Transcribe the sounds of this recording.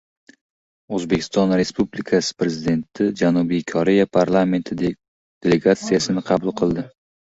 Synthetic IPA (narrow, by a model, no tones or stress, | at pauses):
ɵzbe̞kʲʰɪ̥st̪ɒnɾe̞spublikʰasɪ̥pɾe̞zɪd̪e̞nt̪ʰɪd͡ʒanubijkʰɒɾe̞japʰaɾlˠame̞nt̪ʰɪd̪ekʲ | d̪̥e̞le̞ɡat̪sijasɪnɪqʰɑbulˠqʰɨlˠd̪ɪ